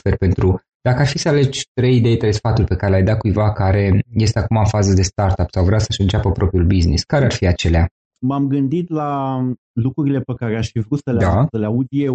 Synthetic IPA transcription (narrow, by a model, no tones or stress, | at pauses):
ferpe̞nt̪ɾu | d̪̥akəarfisəale̞d͡ʒʲt̪ɾe̞jid̪e̞jt̪ɾesfat̪urʲpe̞kaɾe̞lʲajd̪at̪̚kujvakaɾe̞je̞s̬t̪e̞akumaɨnfazəd̪e̞st̪art̪apsawvɾeawsəʃəɨnt͡ʃapəpɾo̞pɾiulbiznḭskaɾearfiat͡ʃe̞lea | mamɡɨnd̪it̪la | lukɾuɾile̞pekaɾeaʃfivɾut̪səled̪aəleaud̪je